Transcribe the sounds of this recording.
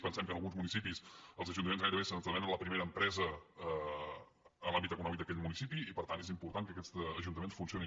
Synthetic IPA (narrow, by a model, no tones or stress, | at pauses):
pənsɛmkənəlˠɣunzmunisipisəlˠzəʒunt̪əmenzɣajɾəβesənt̪əmɛnənləpɾimeɾəːmpɾɛzə | əlambit̪əkunɔmik̚d̪əkɛʎmunisipiipəɾt̪ant̪ezimpuɾt̪ankəkɛst̪əʒunt̪əmensfunsioni